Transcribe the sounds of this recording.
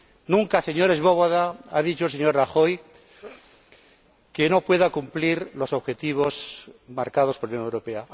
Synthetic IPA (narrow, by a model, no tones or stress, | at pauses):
nũŋkase̞ɲo̞ɾe̞zβo̞βoðaað̞it͡ʃolse̞ɲo̞ɾraxo̞j | ke̞no̞pwe̞ðakumpliɾlo̞so̞βxe̞t̪iβ̞o̞smaɾkað̞ospoɾlanjõnewɾope̞a